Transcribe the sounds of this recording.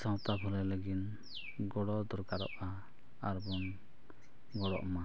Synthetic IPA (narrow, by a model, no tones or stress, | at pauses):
sɔ̃wt̪abʰʱɔɾɛləɡin | ɡɔɽɔd̪ɔɾkaɾɔ̰ʔa | aɾbɔn | ɡɔɽɔ̰ʔma